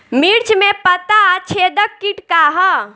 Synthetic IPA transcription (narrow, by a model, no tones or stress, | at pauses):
miɾt͡ʃʰmẽpət̪at͡ʃʰeːd̪əkːiʈkaɦə